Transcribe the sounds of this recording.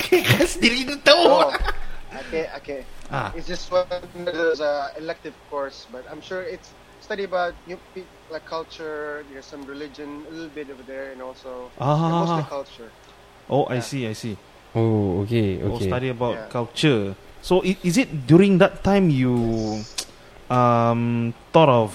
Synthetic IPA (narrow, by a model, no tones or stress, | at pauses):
kʰekasdiɹinətəl | okeokea̰ɪtsd͡ʒastwandəzəɛlɛk̚tɪvkɔɹsbatãɪ̃mʃuɹɪtsː | taɾiəbaʊt̚jupit̚ | laɪkʰːalt͡ʃədɛɛsãmɹilɪd͡ʒə̃nəlɪtl̩bɪtovəd̪ɛɹɛ̃nɔlsoaɦaaɔhakʰalt͡ʃə | ʔoʔa̰jsiajsi | ookeo̰osetaɾiəbaʊt̚kʰalt͡ʃəsoʔiɪzɪt̚djuɹĩŋd̪ɛtʰːãɪ̃mju | ʌ̃mt̪ɔɾɔf